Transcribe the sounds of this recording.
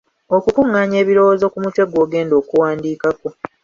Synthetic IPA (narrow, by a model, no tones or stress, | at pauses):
o̞kukuŋːaːɲe̞ːβiɾo̞wozo̞kumutwe̞ɡo̞ːɡe̞ːndo̞ːkuwaːndiːkako̞